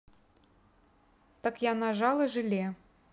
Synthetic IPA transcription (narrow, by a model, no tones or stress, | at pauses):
t̪ə̆kjɑnɑʒɑlˠɤ̆ʒɨlʲe